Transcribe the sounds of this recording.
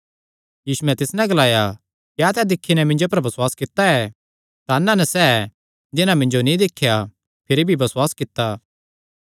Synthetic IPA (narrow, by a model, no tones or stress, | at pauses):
jiːsuɛ̃t̪ɪsnɛɡɐlaːja | kjaːt̪ɛd̪ɪkʰːinɛmɪ̃ɲd͡ʒop̬ɐɾbɐswaːskɪt̪ːaɛ | t̪anːãnɛsɛː | d͡ʒ̪ɪnãmɪ̃ɲd͡ʒonĩd̪ɪkʰːja | pʰɪɾibʱibɐswaːskɪt̪ːaː